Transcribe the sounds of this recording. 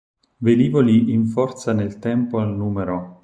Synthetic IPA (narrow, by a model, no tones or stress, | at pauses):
ved̪iːvoliːɱfɔrt̪sanelt̪ɛmpoalnuːmeɾo